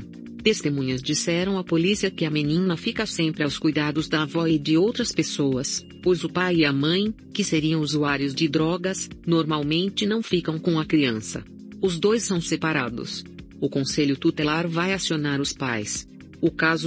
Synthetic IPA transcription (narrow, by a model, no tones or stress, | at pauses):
t̪est̪emũɲɐzd͡ʒisɛɾɐ̃w̃ɐpolisiɐkɪɐmenĩnɐfikɐsẽmpɾɪawskujd̪ad̪ʊzd̪ɐvɔɪd͡ʒɪowt̪ɾɐspesoɐs | pojzʊpajiɐmɐ̃j̃ | kɪseɾiɐ̃w̃uzuaɾjʊzd͡ʒɪd̪ɾɔɡɐsnoɾmawmẽnt͡ʃɪnɐ̃w̃fikɐ̃w̃kõɐkɾiɐ̃sɐ̰ | ʊzd̪ojsːɐ̃w̃sepaɾad̪ʊ̰s | ʊkõseʎʊt̪ut̪elaɾvajasionaɾʊspajs | ʊkazʊ